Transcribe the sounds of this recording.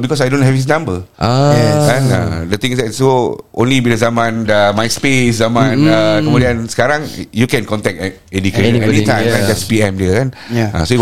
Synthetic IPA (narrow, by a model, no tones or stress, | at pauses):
bikɔsajdõnɦɛfhis̬nãmbəaɛkãnã̰dət̪ĩŋisdɛtsoʔõ̰nliwidəzamãndəmajspeszamãnakəmudiãnsə̥kaɾãŋjukɛ̃nkɔ̃ntɛk̚ | ɛdikeʃɛɛnitʰãj̃mãdɛtspiɛ̃mdəkana̰soi